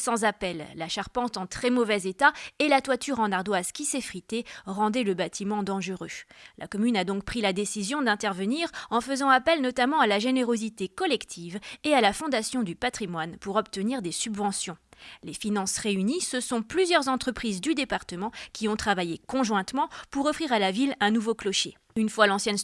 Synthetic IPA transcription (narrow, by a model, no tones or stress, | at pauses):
sɑ̃zapɛlːaʃaʁpɑ̃t̪ɑ̃t̪χɛmɔvɛzet̪aelat̪wat̪yʁɑ̃naʁd̪wazkʲisɛfχit̪eʁɑ̃d̪ɛləbat̪ʰimɑ̃d̪ɑ̃ʒəʁølʔa̰kɔmynad̪ɔ̃k̚pχilad̪esizjɔ̃d̪ɛ̃t̪ɛʁvəniʁɑ̃fəzɑ̃apɛlnɔt̪amɑ̃alaʒeneʁozit̪ekɔlɛkt̪ʰivealafɔ̃d̪asjɔ̃d̪ypat̪χimwanpuʁɔpt̪əniʁd̪esybvɑ̃sjɔ̃lefinɑ̃sʁeynisəsɔ̃plyzjœʁzɑ̃t̪χəpχizd̪yd̪epaʁt̪əmɑ̃kʲiɔ̃t̪χavajekɔ̃ʒwɛ̃t̪mɑ̃puʁɔfχiʁalavilɛ̃nuvoklɔʃe | ynfwalɑ̃sjɛn